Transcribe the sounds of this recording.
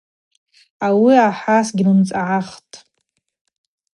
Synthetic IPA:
awiaħasɡʲɪnɨmt͡sʼaʕaχtʼ

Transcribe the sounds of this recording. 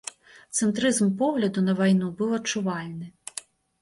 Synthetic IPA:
t̪sɛnt̪ɾɪzmpɔɦlʲɐd̪ʊnɐʋɐjnubɨwɐt͡ʃʊʋɑlʲnɪ

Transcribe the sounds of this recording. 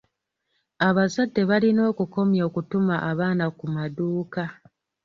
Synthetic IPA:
aβazadːe̞βalino̞ːkuko̞mjo̞ːkutumaʔaβaːnakumaduːka

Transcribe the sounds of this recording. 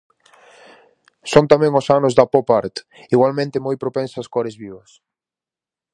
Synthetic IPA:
sont̪amɛ̃ŋʊsanʊzðɐpɔpaɾt̪ | iɣwalmẽnt̪ɪmɔjpɾopẽnsɐskɔɾɪzβiβɐs

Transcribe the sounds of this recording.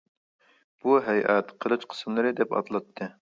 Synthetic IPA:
b̥uɦɛjʔɛt̪qʰəlˠɨt͡ʃqʰə̥smlˠɨɾɨd̪ɛpɑ̰t̪lˠɑt̪ʰːɨ

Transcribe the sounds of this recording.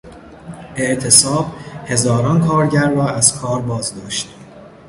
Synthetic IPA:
ʔe̞ʔt̪ʰe̞sɒːbhe̞zɒːɾɒːnkʰɒːɾɟæɾːɒːæz̥kʰɒːɾbɒːzd̪ɒːʃt̪

